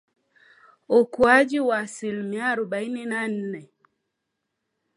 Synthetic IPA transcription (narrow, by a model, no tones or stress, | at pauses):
okwad͡ʒiwasilmiaɾuɓainenan̩nɛ